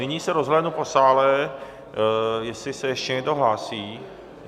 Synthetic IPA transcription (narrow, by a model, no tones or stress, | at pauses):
ɪɲiːsɛɾozɦlɛnuposaːlɛ | jɛslɪsɛjɛʃcɛɲɛɡdoɦlaːsiː